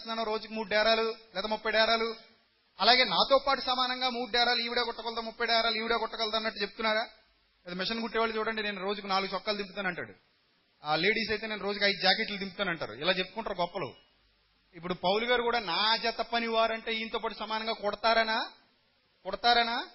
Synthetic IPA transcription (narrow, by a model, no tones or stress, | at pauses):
t̪und̪ɐnoːɾo̞ːd͡ʒukimuːɽuɖɛːɾaːlulɛːt̪ɐmupːɐjɖɛːɾaːlu | ɐlaːɡe̞ːnaːt̪oːpaːʈusɐmaːnɐŋɡaːmuːɽuɖɛːɾaːluiːʋiɽeːkɔʈːɐkɐlt̪amupːɐjɖɛːɾaːluiːʋiɽeːkɔʈːɐkɐlt̪aːɐnɐʈːut͡ʃeb̚ut̪unːaːɾaː | lɛːd̪ɐmiʂɐnɡuʈːɛːʋaːlit͡ʃuːɽɐɳɖine̞ːnuɾo̞ːd͡ʒukunaːluɡut͡ʃɔkːaːlud̪̬imput̪aːnɐɳʈa̰ːɽṵ | aːle̞ːɽiːs̬ɐjt̪eneːnuɾo̞ːd͡ʒukɐjd̪ud͡ʒaːkeʈlut̪imput̪aːnɐɳʈa̰ːɾṵilaːt͡ʃepːu̥kuɳʈaːɾuɡɔpːɐlo̰ | ipːuɽupɐwluɡaːɾukuːɽaːnaːd͡ʒɐt̪ɐpːɐniʋaːɾɐɳʈe̞ːiːnit̪oːpaːʈ̬usɐmaːnɐŋɡaːkɔɽɐt̪aːɾɐna | kɔɽɐt̪aːɾɐnaː